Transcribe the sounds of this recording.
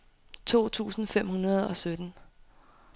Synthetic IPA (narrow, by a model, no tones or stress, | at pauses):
t͡sʰo̝̰ːt͡sʰṵːsn̩fem̰hunɐð̞̩ˠɒ̽sød̥n̩